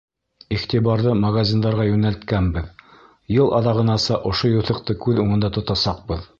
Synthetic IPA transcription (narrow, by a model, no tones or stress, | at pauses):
iχt̪iβɑɾðɤmɐɡazʲind̪ɑɾʁɑjʉnælt̪kænbɘð | jɤlˠʔɑðɑʁɤ̆nɑsɑʔŏʃojuθɤ̆qt̪ɤkʉðuɴɤ̆nd̪ɑt̪ŏt̪ɑsɑq̚bɤð